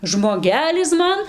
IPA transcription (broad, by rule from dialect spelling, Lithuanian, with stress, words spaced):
ʒmoːˈɡʲæːlʲɪs ˈmɐn